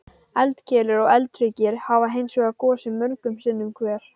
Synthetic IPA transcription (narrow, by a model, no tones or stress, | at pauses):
ɛlt̪cʰɛːlʏɾɔɣɛlt̪ɾicɪɾhavaɦeːjnsœːɣakɔːsɪmœɾkʏmsɪnːʏmkʰvɛːɾ̥